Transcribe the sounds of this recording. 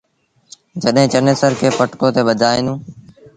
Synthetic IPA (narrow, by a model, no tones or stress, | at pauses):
d͡ʒəɗɦɪ̃ːt͡ʃəneːsəɾkʰeːpəʈkõːt̪eːɓəd͡ʒ̪ʱaːeːnũː